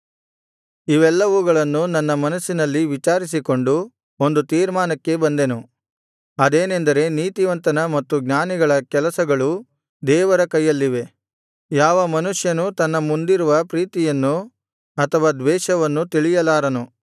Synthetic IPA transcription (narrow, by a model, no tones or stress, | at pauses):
iʋɛlːɐʋuɡɐɭɐnːunɐnːɐmɐnɐsːinɐlːiʋit͡ʃaːɾis̬iko̞ɳɖu | o̞nd̪ut̪iːɾmaːnɐkːe̞bɐnd̪enu | ɐd̪eːnend̪ɐɾe̞niːt̪iʋɐnt̪ɐnɐmɐt̪ːuɡɲaːniɡɐɭɐkɛlɐsɐɡɐɭu | d̪ɛːʋɐɾɐkɐjːɐlːiʋe̞ | jaːʋɐmɐnuʂjɐnut̪ɐnːɐmund̪iɾuʋɐpɾiːt̪ijɐnːu | ɐt̪ʰɐʋaːd̪ʋɛːʂɐʋɐnːut̪iɭijɐlaːɾɐnu